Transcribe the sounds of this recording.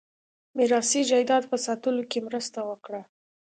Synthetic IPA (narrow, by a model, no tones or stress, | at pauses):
mɪɾɑsid͡ʒajd̪ɑd̪pəsɑt̪əlokemɾəst̪awəkɽa